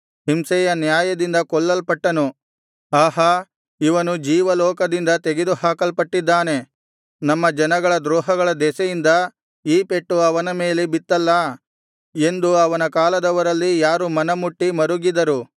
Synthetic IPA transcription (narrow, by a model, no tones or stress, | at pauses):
himsɛjɐnjaːjɐd̪ind̪ɐkɔɭːɐlpɐʈːɐnu | aːɦɐ | iʋɐnud͡ʒiːʋɐlɔːkɐd̪ind̪ɐt̪eɡed̪uhaːkɐlpɐʈːid̪ːaːne̞ | nɐmːɐd͡ʒɐnɐɡɐɭɐd̪ɾɔːɦɐɡɐɭɐd̪ɛsɐjind̪ɐ | iːpe̞ʈːuɐʋɐnɐme̞ːlebit̪ːɐlːɐ | e̞nd̪uɐʋɐnɐkaːlɐd̪ɐʋɐɾɐlːijaːɾumɐnɐmuʈːimɐɾuɡid̪ɐɾu